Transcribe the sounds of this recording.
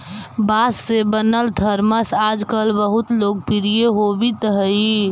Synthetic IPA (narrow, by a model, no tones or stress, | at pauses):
basːebənəlt̪ʰəɾməsad͡ʒkəlbəɦut̪lok̚piɾijeɦobit̪əɦə